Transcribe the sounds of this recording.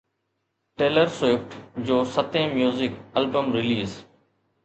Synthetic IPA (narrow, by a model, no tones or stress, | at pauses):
ʈeːləɾseːpʈd͡ʑoːsət̪ẽːmjuːzɪkɐlbəmɾɪliːz